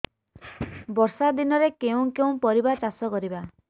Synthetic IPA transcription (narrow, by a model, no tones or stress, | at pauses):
bɔɾsad̪inɔɾekeũkeũpɔɾibat͡ʃasɔkɔɾiba